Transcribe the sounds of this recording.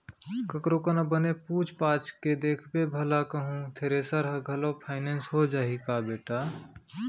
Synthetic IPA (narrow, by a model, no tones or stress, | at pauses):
kəkɾokənabənepuːt͡ʃpaːt͡ʃʰked̪eːkʰbebʱəlakəɦũt̪ʰeːɾesəɾɦəɡʱəlopʰaːɪneːnsɦod͡ʒaːɦikabeːʈaː